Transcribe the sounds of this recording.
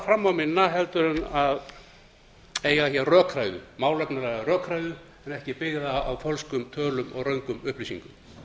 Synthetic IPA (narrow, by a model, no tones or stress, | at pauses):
fɾamːawmɪnːaɦɛlt̪ʏɾʏnað | eːjɣaçjɛrœːkʰɾaːjðʏ̰maːwlɛknalɛɣarœːkʰɾajðʏ | ɛnɛhcɪpɪɣðaawfœlskʏmt̪ʰœːlʏmɔ̰ɣrœɥŋkʏmʏhplisḭŋkʏm